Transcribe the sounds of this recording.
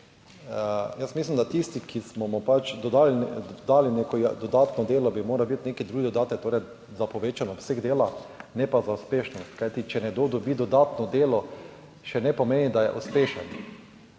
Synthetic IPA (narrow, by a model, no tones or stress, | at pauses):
jəsmislimd̪at̪ist̪ikʰismɔmɔpat͡ʃd̪ɔd̪aːlid̪aːlinekɔjd̪ɔd̪aːt̪nɔd̪eːlɔbimoːɾabit̪neːkid̪ɾuːɡid̪od̪aːt̪ɛkt̪oːɾjɛ | zapoʋeːt͡ʃanɔwseɡd̪eːlanɛpazauspeːʃnɔst̪kajt̪it͡ʃɛnɛɡd̪oːd̪ɔbiːd̪ɔd̪aːt̪nɔd̪eːlɔ | ʃɛnɛpomeːnid̪ajɛ̰ʔuspeːʃɛn